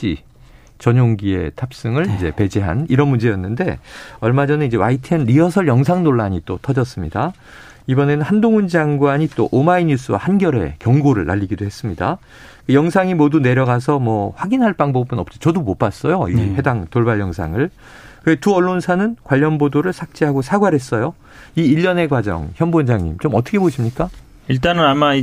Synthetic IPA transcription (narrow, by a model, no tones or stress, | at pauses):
ɕ͈i | t͡ɕʌɲoŋɡie̞̰tʰap̚s͈ɯŋɯɭind͡ʑe̞pe̞d͡ʑeɦa̰niɾʌnmund͡ʑe̞jʌnːɯnde̞ʌɭmad͡ʑʌnɯnid͡ʑe̞waitʰenɾiʌsʰʌɭjʌŋs̬ʰaŋnoɭːaɲit͈otʰʌd͡ʑʌs͈ɯmɲida | ibʌnenɯnhandoŋɯnd͡ʑaŋɡwaɲit͈oʔomaiɲus͈ʰɯwa̰hanɡjʌɾe̞̰kjʌŋɡoɾɯɭːa̰ʎːiɡidohe̞s͈ɯmɲida̰ | kɯjʌŋsʰaŋimodune̞ɾjʌɡas̬ʰʌmwʌɸwaɡinɦaɭp͈aŋbʌbɯnʌp̚t͡ɕ͈it͡ɕʌdomop͈as͈ʌjoihe̞daŋtoɭbaʎjʌŋsʰa̰ŋɯɭ | kɯetuʌɭːonsʰanɯnkwaʎːʌnbodoɾɯɭsʰak̚t͡ɕ͈iɦaɡosʰaɡwaɾɦe̞s͈ʌjo | iːʎːʌne̞ɡwad͡ʑʌ̰ŋçjʌnbond͡ʑaŋɲḭmt͡ɕomʌt͈ʰʌkʰeboɕʰimɲik͈a | iɭt̬͈anɯnamai